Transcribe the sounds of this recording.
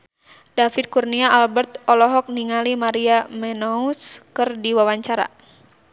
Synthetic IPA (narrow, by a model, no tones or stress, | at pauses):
dafit̪̚kurniaʔalbɛrt̪ɔlɔɦɔk̚niŋalimaɾiamɛnɔuskɨrdiwawaɲt͡ʃaɾa̰